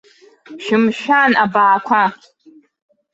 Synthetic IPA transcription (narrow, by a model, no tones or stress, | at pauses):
ʃɪmʃᶣanabaːkʷʰa